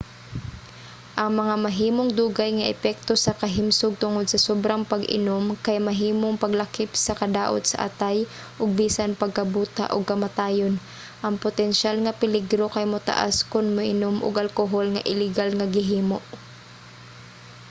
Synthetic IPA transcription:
ʔɐŋmɐŋamaɦiːmoŋd̪uːɡajŋaʔɛpɛk̚t̪osɐkɐɦɪmsʊɡ̚t̪ʊŋod̪sɐsobɾaŋpaɡʔɪ̰nomkajmaɦiːmoŋpɐɡlakɪpsɐkɐd̪aːʔo̰t̪sa̰ʔa̰t̪aj | ʔʊɡ̚biːsanpɐɡ̚kɐbuːt̪a̰ʔʊɡ̚kɐmat̪aːjon | ʔɐŋpʊt̪ɛnʃalŋapɪlɪɡɾokajmʊt̪a̰ʔa̰skʊnmʊʔɪnomʔʊ̰ɡalkoɦolŋa̰ʔɪlɪɡalŋaɡɪɦiːmoʔ

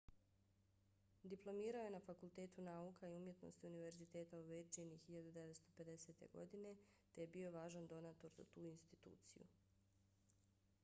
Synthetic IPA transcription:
d̪iplˠo̞miːɾaojenafakult̪e̞ːt̪unaukaiumje̞t̪no̞̰st̪iuniʋe̞ɾzit̪e̞ːt̪auʋed͡ʒenixiʎad̪ud̪e̞ʋet̪st̪o̞pe̞d̪e̞se̞t̪e̞̰ɡo̞̰d̪ine̞t̪ejebiːo̞ʋaːʒand̪o̞naːt̪o̞ɾza̰t̪uːinst̪it̪ṵːt̪sḭjṵ

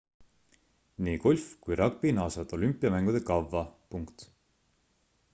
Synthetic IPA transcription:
niːko̞lʲfkujɾɑɡ̚pinɑːsɑt̪o̞lympːˑiɑmæŋɡ̥ud̪e̞kɑvːɑpuŋkt̪

